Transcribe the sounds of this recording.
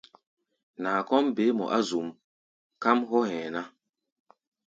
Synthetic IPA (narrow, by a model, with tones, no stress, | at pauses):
na˨kɔ˦mbe˨˦mɔ̰˨ʔa˦zu˨m | ka˦mɦɔ˦hɛ̃˨na˦